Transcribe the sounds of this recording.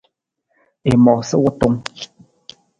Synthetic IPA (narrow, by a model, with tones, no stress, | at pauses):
e˨mɔ˨sə˦wɔ˦to˦ŋ